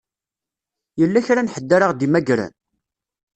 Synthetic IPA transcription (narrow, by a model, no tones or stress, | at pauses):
jəlːæçɾanħəd̪ːaɾaʁd̪imæɡɾæ̰n